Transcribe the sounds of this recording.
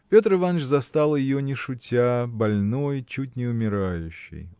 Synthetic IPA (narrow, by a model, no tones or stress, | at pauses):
pʲo̞t̪ɾɨvanʂzɐst̪alˠjɪjonʲɪʂʊtʲabɐlʲnojt͡ɕut̚ʲnʲɪʊmʲɪɾajʉɕːɪ̰j